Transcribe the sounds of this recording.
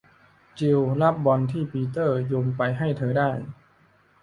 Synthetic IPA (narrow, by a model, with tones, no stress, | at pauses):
t͡ɕi˧wla˦˥p̚bɔ˧nt̪ʰiː˥˩piː˧t̪ɤː˥˩joː˧mpa˧jɦa˥˩jt̪ʰɤː˧daː˥˩j